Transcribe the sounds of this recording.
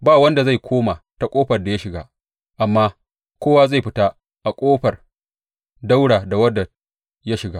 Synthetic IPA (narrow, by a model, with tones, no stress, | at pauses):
baː˦˨wɐ˦nda˨za˦˨jkʰʷoː˦ma˨ta˨kʷʼoː˦ɸɐ˨rda˨ja˦ʃɪ˨ɡa̰ː˦ | ʔa˨mːaː˦ | kʷoː˦waː˦za˦˨jɸɪ˦ta˦ | ʔa˨kʷʼoː˦ɸɐ˨r | da˦wɽaː˨da˨wɐ˦da˨ | ja˦ʃɪ˨ɡaː˦